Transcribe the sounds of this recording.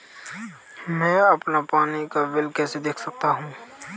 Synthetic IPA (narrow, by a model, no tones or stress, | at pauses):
mɛ̃ːɐpnapaːnikaʋɪlkɛːsed̪eːkʰsɐk̚t̪aɦũː